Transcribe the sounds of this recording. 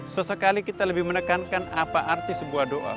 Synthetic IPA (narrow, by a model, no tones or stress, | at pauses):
səsəkalikit̪aləbɪhmənəkankanapaʔart̪isəbuahdoʔa̰